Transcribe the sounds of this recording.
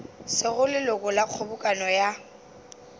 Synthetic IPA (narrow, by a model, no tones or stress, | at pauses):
sɪɣʊlɪlʊkʼʊlaq͡χʰobʊkʼanɔja